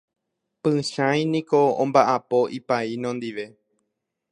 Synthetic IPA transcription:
pɨ̃ʃãj̃nĩkoõmbaʔapoʔipainõnd̪iʋe̞

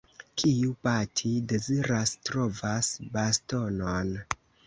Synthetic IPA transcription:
kʰiupatʰide̞ziɾastɾo̞vasbasto̞non

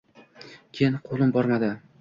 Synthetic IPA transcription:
kʲʰejɪnqʰolˠɪmbɒɾmad̪ɪ

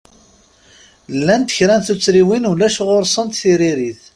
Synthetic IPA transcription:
lːænt̪əçɾænθut͡sːɾiwinulæʃʁoɾsˤənt̪θiɾiɾiθ

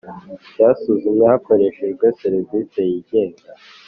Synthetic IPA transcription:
ɟaːsuzumjɲehako̞ɾe̞ʃeʒɡeseɾivise̞jiɟe̞ːŋɡa

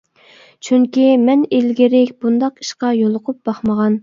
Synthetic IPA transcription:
t͡ʃʰyŋkʲimɛnelɡʲiɾɪkʲb̥und̪ɑqi̥ʃqɑjolˠʊqʰʊp̚b̥ɑχməʁɑn

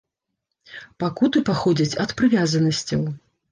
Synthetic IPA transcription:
pakut̪ɨpaxɔd͡zʲɐt͡sʲɐt̪pɾɨvʲazɐnɐsʲt͡sʲɐw

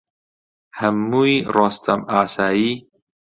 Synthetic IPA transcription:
həmːuːjɾɑːst̪ʰɐmaːsaːjiː

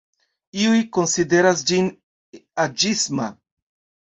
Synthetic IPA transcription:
iujko̞nside̞ɾas̬d͡ʒin | ad͡ʒisma̰

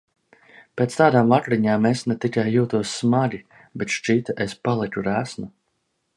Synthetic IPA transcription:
pʲeːt̪st̪aːd̪aːmvakɾiɲaːmesnɛt̪ikʲajːuːt̪uɔsːmaɡʲi | bet̪ʃt͡ʃit̪espalˠikʲuɾæsnu

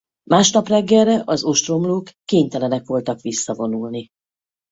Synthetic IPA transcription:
maːʃnɒprɛɡːɛlrɛʔɒzo̞ʃt̪ro̞mloːkːeːɲt̪ɛlɛnɛkʋo̞lt̪ɒkʋisːɒvo̞nulni

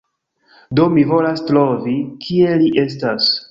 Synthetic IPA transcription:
do̞mivo̞lastɾo̞vikʰie̞liʔe̞s̬tas

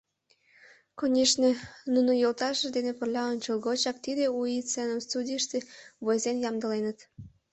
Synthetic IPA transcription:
konʲeʃnenunojolt̪ɑʃəd̪enepə̆rlʲɑonʲt͡ɕəlˠɣot͡ɕɑk̚t̪id̪euit͡senəmst̪ud̪ʲijəʃt̪eβojzenjɑmd̪ə̆lenət̪

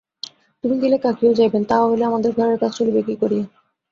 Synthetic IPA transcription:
t̪umiɡelekakiod͡ʑajbent̪aaɦoleamad̪eɾɡʱaɾeɾkat͡ɕʰt͡ɕolibekikoɾie

